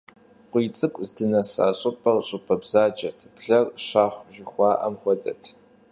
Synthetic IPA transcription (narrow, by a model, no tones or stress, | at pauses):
qʷʼit͡sʼɨkʷʼzdɨnɐsa̰ːɕʷʼʊpʰʼɐrɕʷʼʊpʰɐbzaːd͡ʒɐtʰb̥ɮɐrʂaːχʷʒɪχʷɑːʔa̰mχʷɔdɐ̰tʰ